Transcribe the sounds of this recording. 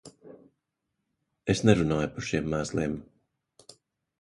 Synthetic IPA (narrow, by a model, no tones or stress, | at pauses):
esnɛɾunaːjpaɾʃiɛmːæːslˠiɛm